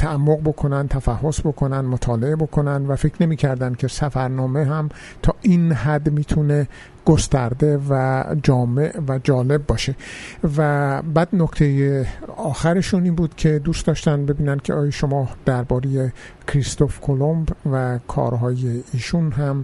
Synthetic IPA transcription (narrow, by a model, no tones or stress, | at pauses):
t̪ʰæʔæmːo̞ɣbo̞kʰo̞nænd̪t̪ʰæfæhːo̞sbo̞kʰo̞nænd̪mot̪ʰɒːle̞ebo̞kʰo̞nænd̪væfekɾne̞miːcʰæɾd̪ænd̪̥̚cʰʲe̞sæfæɾnɒːme̞ɦæm | t̪ʰɒːʔinɦæd̪miːt̪ʰune̞ | ɡ̥ost̪æɾd̪e̞væd͡ʒɒːme̞ʔvæd͡ʒɒːle̞bːɒːʃe̞væbæːd̪nokt̪ʰe̞jeɒːxæɾe̞ʃuniːnbuːd̪̥cʰe̞d̪uːstd̪ɒːʃt̪æn̚be̞biːnænd̪̚cʰeɒːjɒʃo̞mɒːd̪̥æɾbɒːɾeje̞kʰɾist̪o̞fkʰo̞lombvækʰɒ̰ːɾɦɒːje̞iːʃunɦæm